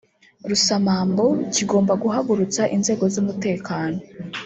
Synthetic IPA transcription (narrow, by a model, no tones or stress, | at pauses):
ɾusamaːmbo̞ciɡo̞ːmbaɡuɦaɡuɾut͡saʔinze̞ːɡo̞zumute̞ːkaːno̞